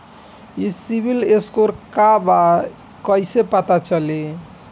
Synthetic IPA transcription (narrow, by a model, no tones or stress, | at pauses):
isibʱileskoɾkaba | kʌjsepat̪at͡ʃʌle